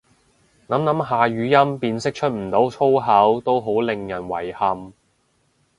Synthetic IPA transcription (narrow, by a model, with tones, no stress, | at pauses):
nɐ˨˥mnɐ˨˥mɦaː˨˧ɥyː˨˥jɐ˥mpiː˧nsɪ˥k̚t͡ʃʰɵ˥t̚m̩˨˩t̪o˨˥wt͡sʰo˥wɦɐ˨˥wt̪o˥wɦo˨˥wlɪ˨ŋjɐ˨˩nwɐ̰˨˩jhɐ˨m